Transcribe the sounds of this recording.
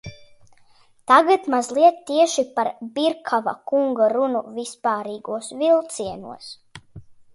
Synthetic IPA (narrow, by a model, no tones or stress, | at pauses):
t̪aɡat̪mazlˠiɛt̪t̪ːiɛʃipaɾbiɾkʰava̰kuŋɡaɾunṵvispaːɾiːɡuɔsvilˠt̪siɛnṵɔs